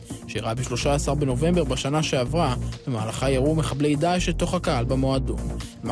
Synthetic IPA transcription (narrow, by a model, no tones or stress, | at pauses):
ʃeʁabeʃlo̞ʃaːsaʁbeno̞ve̞mbe̞ʁbaʃanaʃeavʁabemaːlaχajaʁumeχable̞jd̪aʃelt̪o̞χhakahalbamo̞ado̰n